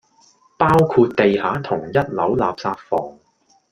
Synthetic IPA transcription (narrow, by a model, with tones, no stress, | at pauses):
paː˥wkʰuː˧t̚t̪e˨jhaː˨˥t̪ʰʊ˨˩ŋjɐ˥t̚lɐ˨˥wlaː˨p̚saː˧t̚fɔː˨˩ŋ